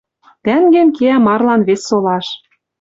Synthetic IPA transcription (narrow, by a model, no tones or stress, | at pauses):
t̪æŋɡɘ̆ŋkeæmɑrlɑnβesːolɑʃ